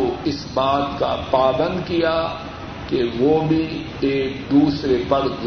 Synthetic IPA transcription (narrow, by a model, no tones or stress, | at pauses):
oɪsbaːt̪ka̰paːbə̃nd̪kija | keʋoːbʱi | eːk̚d̪uːsɾepɐɾz